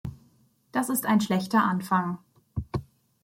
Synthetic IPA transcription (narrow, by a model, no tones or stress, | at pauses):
d̥asɪstaɪnʃlɛçtɐʔanfaŋ